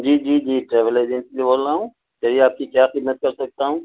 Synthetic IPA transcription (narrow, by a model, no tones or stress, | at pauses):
d͡ʒiːd͡ʒiːd͡ʒiːʈɾeːʋəleːd͡ʒẽnsliboːlaːɦũː | t͡ʃəɾiaːp̚kikjaːxɪd̪mət̪̚kɐɾsɐɡ̚t̪aɦũː